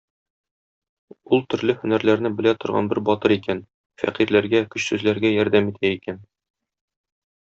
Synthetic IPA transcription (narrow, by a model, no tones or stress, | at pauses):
ulˠt̪ɵ̆ɾlɘhɵ̆næɾlæɾnɘbɘ̆læt̪ŏɾʁɑ̰nbɘɾbɒt̪ɤɾikæn | fæ̰qiɾlæɾɡækɵ̆ɕsʉzlæɾɡæjɒɾd̪æmit̪ʰæikæn